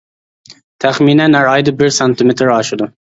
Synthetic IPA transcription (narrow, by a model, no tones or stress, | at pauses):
t̪ʰæχminɛnæɾɑjd̪ɨbɪɾsɑnt̪ʰɪmɪt̪ʰɾɑʃɪd̪ʊ